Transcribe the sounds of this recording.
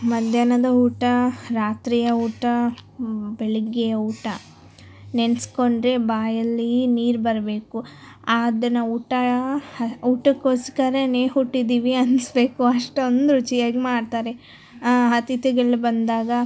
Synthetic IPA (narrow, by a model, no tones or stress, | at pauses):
mɐd̪ʱjɐnɐd̪ɐuːʈɐɾaːt̪ɾiːjɐuːʈɐ | beɭiɡːejɐuːʈɐ | nensko̞ɳɖɾe̞baːjɐlːiniːɾbɐɾɐbe̞ːku | aːd̪ɐnɐuːʈɐ | uːʈɐkoːsi̥kɐɾeneːɦuʈːid̪iːʋiɐnsbe̞ːkuɐʂʈond̪ɾut͡ʃijɐɡemaːɖt̪aːɾe | ɦɐt̪it̪iɡɐɭːibɐnd̪aːɡɐ